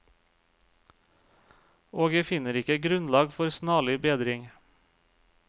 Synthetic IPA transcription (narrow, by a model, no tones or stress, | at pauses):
oːɡjæɪfɪnəɾɪkəɡɾʉnlɑːɡfɔɾsnɑːɭɪbeːd̪ɾɪŋ